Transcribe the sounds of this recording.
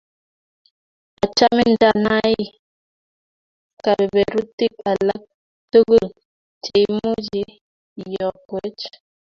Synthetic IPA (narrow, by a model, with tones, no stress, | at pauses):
a˨t͡ʃa˦mi˦nda˦˨na˦i˦ | ka˨ɾi˨bɛ˨ɾu˦ti˦ka˨la˦k̚ | tə˦ɡə˦˨l | t͡ʃe˨jmu˦d͡ʒi˦˨ | jɔ˨kwe˦t͡ʃ